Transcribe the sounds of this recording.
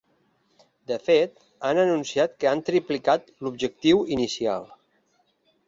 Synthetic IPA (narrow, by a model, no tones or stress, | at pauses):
d̪əfet̪ | anənunsiat̪̚kəant̪ɾiplikat̪lubʒək̚t̪iwinisia̰lˠ